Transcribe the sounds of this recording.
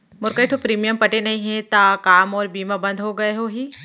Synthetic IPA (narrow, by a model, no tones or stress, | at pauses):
mʊɾkeʈʰopɾiːmijəmpɐʈenɐɦĩɦet̪akaːmɔːɾbiːmabɐ̃nd̪ʱɦoɡɐeɦoɦiː